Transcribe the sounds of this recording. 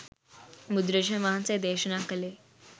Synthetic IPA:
mud̪ɾəd͡ʑənʋaɦãnt͡sed̪eɕənakəle

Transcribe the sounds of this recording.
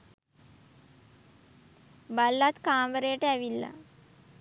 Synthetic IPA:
balːat̪kaːmʋəɾəjəʈəæʋilːa̰

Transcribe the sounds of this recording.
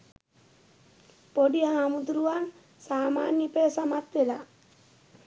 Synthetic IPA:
poɖijaŋamud̪ɾuwaŋ | saːmaːnipeːsamat̪ʋela

